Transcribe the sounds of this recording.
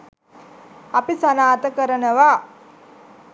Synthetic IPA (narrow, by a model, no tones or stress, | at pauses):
ɐpisanaːt̪əkəɾənəʋaː